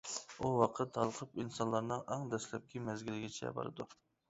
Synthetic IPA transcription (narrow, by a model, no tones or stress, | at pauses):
uwɑqʰət̪hɑlˠəqʰəpinsɑnlˠɑɾnɨŋɑŋd̪ɛslɛp̚kʲʰimɛzɡʲilɪɡʲɛt͡ʃʰɛ̰bɑ̰ɾɨ̰d̪u